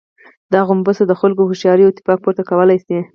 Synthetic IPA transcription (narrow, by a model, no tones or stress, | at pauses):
d̪ɑɣʊmbəsad̪əxʊlkohʊʃjɑɾijot̪ɪ̥pɑk̚poɾt̪akawəlajse